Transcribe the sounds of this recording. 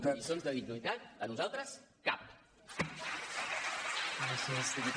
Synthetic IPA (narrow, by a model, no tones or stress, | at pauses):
isonzðəðinuit̪at̪̚ənuzalˠt̪ɾəs | ka̰p̚ | ələseəst̪iβi